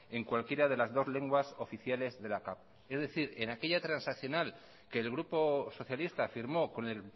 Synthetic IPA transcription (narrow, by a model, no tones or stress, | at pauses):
e̞ŋkwalkje̞ɾað̞e̞lazðo̞zle̞ŋɡwaso̞fiθjale̞zðe̞lakap̚ | e̞zðe̞θiɾe̞nake̞ʎat̪ɾansakθjo̞nal | ke̞ːlɣ̞ɾupo̞so̞θjalist̪aːfiɾmo̞ko̞ne̞l